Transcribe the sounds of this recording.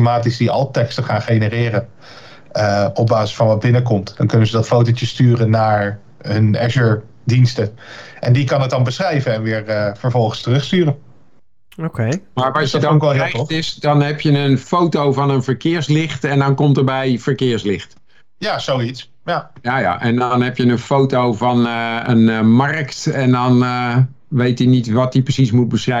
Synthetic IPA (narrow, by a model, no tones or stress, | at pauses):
maːtisdiɑ̰lˠtɛkstəχaːnχejnərɪːrən | əɔb̚baːzəsfɑnʋɑd̚bɪnəkɔmtd̥ɑnkɵnənzədɑtfowtot͡ʃəstyːrənːaːɹ | ɦɵnɛʒəɹ | dinstəʔɛndikɑnɦət̚dɑnbəsχrɛjvənɛnʋɪːɹəvəɹvɔlˠχənstərɵχstyːrən | okemaːɹɑsjədɔkɛlˠɦɛjtɪsdɑnɦɛpjənənfowtowvɑnənvəɹkɪːɹslɪχtɛndɑnkɔmtəɹbɛjv̥əɹkɪːɹslɪχt | jaːzowits | jajaja̰ʔɛndnɦɛpjənənfowtowvɑnənmɑrktɛndɑn | ʋejtənitʋɑt̚diprəsis̬mut̚bəsrɛ